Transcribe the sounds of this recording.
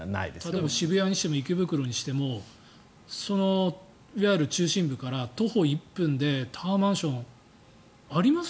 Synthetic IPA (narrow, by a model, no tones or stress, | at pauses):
na̰ḭd̪et̪at̪oebaɕibɯ̟jaɲ̟iɕi̥t̪e̞mo̞ikebɯ̟kɯ̟ɾo̞ɲ̟iɕi̥t̪e̞mo̞ | so̞no̞ | iβaɾɯ̟t͡ɕɨːɕĩmbɯ̟kaɾat̪o̞ho̞ipːɯ̟̃nd̪e̞t̪ʰaːmãɰ̃ɕõ̞ɴ | aɾʲimas